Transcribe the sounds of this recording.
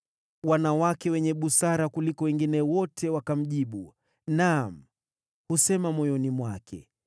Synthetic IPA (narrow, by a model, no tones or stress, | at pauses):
wanawakɛwɛɲɛɓusaɾakulikɔwɛŋɡinɛwɔtʰɛwakam̩ʄiɓu | nam̩ | husɛmamɔjɔnimwakʰɛ̰